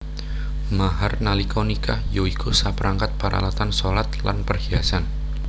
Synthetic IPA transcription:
maɦarnalikonikahjoikʰusapəɾʔaŋkat̪̚paɾʔa̰lat̪ansolat̪la̰npərhiasan

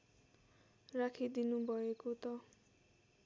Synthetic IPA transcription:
ɾakʰid̪inubʱʌekot̪ʌ

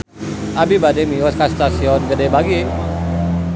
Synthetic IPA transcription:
ʔabibademiɔskast̪asiɔnɡədebaɡi

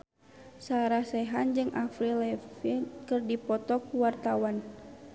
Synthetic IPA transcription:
saɾasɛɦand͡ʒɨŋʔafɾilɛfinkɨrdipɔt̪ɔkuwart̪awan

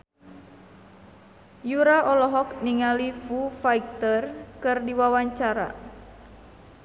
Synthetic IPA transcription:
juɾaʔɔlɔɦɔkniŋalifufaik̚t̪ərkɨrdiwawaɲt͡ʃaɾa̰

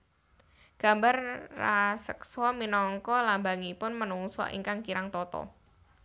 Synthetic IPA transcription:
ɡ̥a̤mbarrasə̰ksɔminɔŋkɔlambaŋipʊnmənuŋsɔ̰ʔḭŋkaŋkiɾaŋt̪ɔt̪ɔ̰

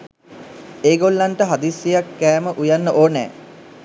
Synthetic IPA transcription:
eːɡolːanʈəɦad̪isjejakːæːməʔujanːəʔoːnɛ̰ː

